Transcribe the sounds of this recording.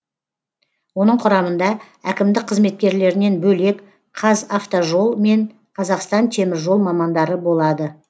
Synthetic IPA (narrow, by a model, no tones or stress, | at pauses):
wo̞nəɴqʰʊɾɑmənd̪ɑ | ækʲɪmd̪ɪk̚qʰəzme̞t̪̚kʲe̞ɾle̞ɾɪne̞nbɵle̞k | qʰɑzaft̪oʒo̞lˠme̞ɴ | qʰɑzɑqst̪ɑnt̪ʰe̞mɪɾʒo̞lˠmɑmɑnd̪ɑɾəbo̞lˠɑd̪ə